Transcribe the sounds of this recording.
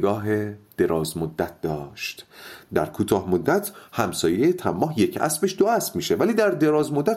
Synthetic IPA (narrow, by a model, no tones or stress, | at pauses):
ɡɒːɦed̪̥e̞ɾɒːzmod̪ːæt̪̚ʰd̪ɒːʃt̪d̪æɾkʰuːt̪ʰɒːhmod̪ːæt̪ʰhæmsɒːjejet̪ʰæmːɒːɦje̞cʰæ̰sbeʃd̪oæsb̥miːʃe̞væliːd̪æɾd̪e̞ɾɒːzmod̪ːæt̪